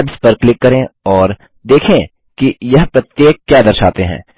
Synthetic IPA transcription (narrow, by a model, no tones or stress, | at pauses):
bzpɐɾklɪkːɐɾẽɔːɾ | d̪eːkʰẽ | kijɐɦpɾɐt̪ːjeːək̚ːkːjaːd̪ɐɾʃaːt̪eɦɛ̰̃ː